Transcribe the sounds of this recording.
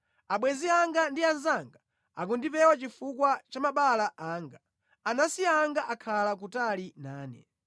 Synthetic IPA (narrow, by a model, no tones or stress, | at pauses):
aɓwɛziaŋɡandianzaŋɡa | ak̬undipɛwat͡ʃifukwat͡ʃamaɓalaʔaːŋɡa | anasiaːŋɡaʔakʰalak̬utalinaːnɛ̰